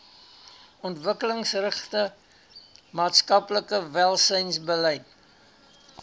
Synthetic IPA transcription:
ɔntvəkələŋsrəχtə | mɑːtskɐpləkəvælˠsəjnsbəlɛjt

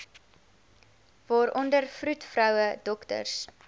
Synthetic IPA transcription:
vɑːɾʔɔndərfrutfrœwədɔktə̰rs

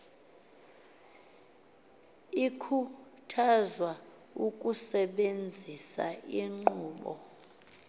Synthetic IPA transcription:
ikʰutʰazwa | ukʼusɛɓend͡zʱisa̰iŋ͡ǃuːɓɔ̰

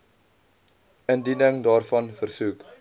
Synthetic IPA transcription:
əndinəŋdɑːrfɐnfərsuk

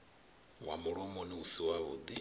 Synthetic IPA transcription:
wamuɺɔmɔniusiwaβṵd̪i

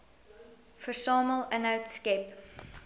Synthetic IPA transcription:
fəsɑːməlˠə̃naʊtskɛp

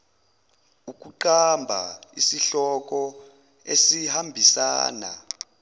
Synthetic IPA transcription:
uk̬ʼuǃambʱa̰isiɬɔk̬ɔ | esihambʱisa̰ːna̰

